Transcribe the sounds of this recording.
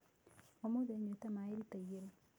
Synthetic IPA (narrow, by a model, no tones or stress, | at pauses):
ɔmoðeɲotamaeɾitajeɾ